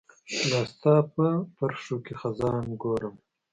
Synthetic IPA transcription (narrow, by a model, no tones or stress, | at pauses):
lɑːst̪ɑːpəpaɾʂokexazɑːnɡoɾəm